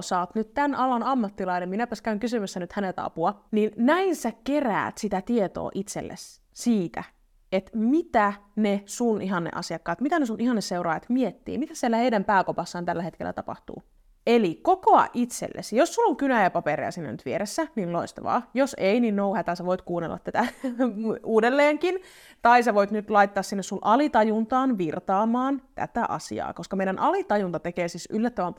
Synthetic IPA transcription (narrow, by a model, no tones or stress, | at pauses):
sɑːt̪nyt̪t̪ænɑlɑnɑmːɑt̪ːilɑineminæpæskæyŋkysymæsːænyt̪hænet̪ɑ̰puɑninnæinsækeræ̰ːt̪sit̪æt̪iet̪o̰ːʔit̪sḛlːḛs | siːt̪æ̰ | et̪mit̪ænesunʔiɦɑnːḛʔɑ̰siɑkːɑːt̪mit̪ænesunʔiɦɑnːeseuɾɑːjɑt̪miet̪ːḭːmit̪æsielːæheidæmpæːkopɑsːɑːnt̪ælːæhet̪kḛlːæ̰t̪ɑpɑ̰ht̪ṵː | elikokoɑ̰ʔit̪sḛlːʔḛsijosːulːoŋkynæjɑpɑpeɾḛɑ̰sinːæ̰nyt̪ʋieɾesːæninloist̪ɑʋɑ̰ːjoseininnouhæt̪æseʋoit̪kuːnːḛlːʔɑ̰t̪t̪ːæt̪æ | uːdelːeːŋkin | t̪ɑiseʋoit̪nyt̪lɑjt̪ːɑːssinːesunʔɑlit̪ɑjunt̪ɑːnʋirt̪ɑːmɑːnt̪æ̰t̪æʔɑ̰sḭɑ̰ːkoskɑmeiɾænʔɑlit̪ɑjunt̪ɑt̪ekeːsisylːæt̪ːæʋæm